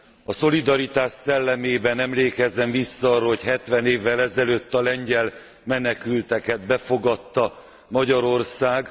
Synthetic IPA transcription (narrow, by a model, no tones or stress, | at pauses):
ɒso̞lid̪ɒɾit̪aːʃːɛlːɛmeːbɛnɛmleːkɛzɛɱvisːɒɒrːɒho̞chɛt̪ʋɛneːvːɛlɛzɛløːt̪ːɒlɛɲɟɛl | mɛnɛkylt̪ɛkɛd̪bɛfo̞ɡɒt̪ːɒ | mɒɟɒɾo̞rsaːɡ